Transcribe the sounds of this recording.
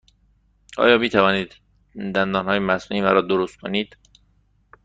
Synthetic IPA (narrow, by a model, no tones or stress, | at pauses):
ʔɒ̰ːjɒːbit̪ʰævɒːniːd̪ | d̪ænd̪ɒːnhɒːjemæsnuiːmæɾɒːd̪oɾost̪̚kʰoniːd̪̥